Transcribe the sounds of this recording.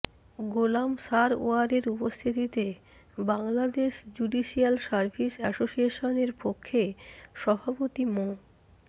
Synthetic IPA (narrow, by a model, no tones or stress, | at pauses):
ɡolamsaɾo̰aɾeɾupost̪ʰit̪it̪e | baŋlad̪eʃd͡ʑuɖiʃialsaɾbʱiʃɛsoʃieʃoneɾpokʰːeʃɔbʱapot̪imo